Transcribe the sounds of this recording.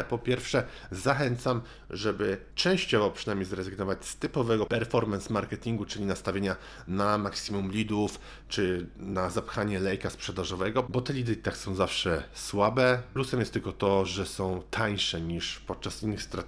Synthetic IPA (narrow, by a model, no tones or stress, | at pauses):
pɔpʲjɛɾfʂɛ | zaxɛnt̪sam | ʐɛbɘ | t͡ʂɛ̃w̃ɕt͡ɕɔvɔpʂɘnamʲejzɾɛzɘɡnɔvat͡ɕst̪ɘpɔvɛɡɔpɛɾfɔɾmɛnsmaɾkɛt̪ʲiŋɡut͡ʂɘlʲinast̪avʲeɲa | namaksʲimumlʲid̪uf | t͡ʂɘnazapxaɲɛlɛjkaspʂɛd̪aʐɔvɛɡɔbɔt̪ɛlʲid̪ɘt̪aksɔ̃w̃zafʂɛswabɛplusɛmjɛst̪ːɘlkɔt̪ɔʐɛsɔ̃w̃t̪ʰaɲʂɛɲiʂpɔt̪̚t͡ʂasinːɘxst̪ɾat̪